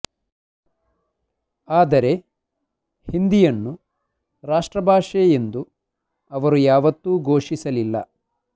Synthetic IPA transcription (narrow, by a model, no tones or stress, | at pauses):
aːd̪ɐɾe̞ | hind̪ijɐnːu | ɾaːʂʈɾɐbʱaːʂeend̪u | ɐʋɐɾujaːʋɐt̪ːuːɡʱo̞ːʂisɐlilːɐ̰